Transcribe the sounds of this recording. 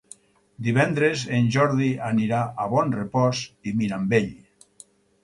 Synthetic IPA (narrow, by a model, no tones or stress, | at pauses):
d̪iβɛnd̪ɾezenʲʒɔɾðianiɾaʔaβɔnrepɔsimiɾambeʎ